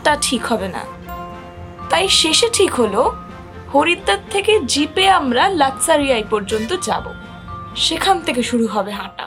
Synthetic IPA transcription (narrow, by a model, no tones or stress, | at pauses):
ʈaʈʰikɦɔbena̰ | t̪ajʃeʃeʈʰikɦolo | hoɾit̪ːat̪ʰːeked͡ʑipeamɾalatsaɾiajpɔɾd͡ʑont̪od͡ʑa̰bo̰ | ʃekʰant̪ʰek̬eʃuɾuɦɔbeɦãʈa̰